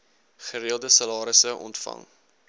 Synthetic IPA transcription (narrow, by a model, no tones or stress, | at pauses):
χəɾiəlˠdəsɐlɑːɾəsəʔɔ̰ntfɐ̰ŋ